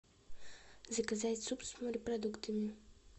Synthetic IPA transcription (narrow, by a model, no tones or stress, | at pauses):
zəkɐzat̪ʲsupst̪moɾʲipɾɐd̪ukt̪ɨmi